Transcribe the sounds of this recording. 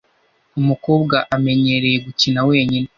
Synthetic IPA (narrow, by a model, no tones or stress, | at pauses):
umukoːbɡaʔame̞ɲe̞ɾe̞jeɡucinawe̞ːɲine